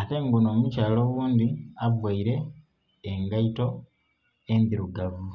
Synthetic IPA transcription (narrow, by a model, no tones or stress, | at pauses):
ate̞ŋɡuno̞ːmucaːlo̞ːɣuːnd̪iavwaiɾe̞ | eŋɡaito̞ | endiɾuɡavu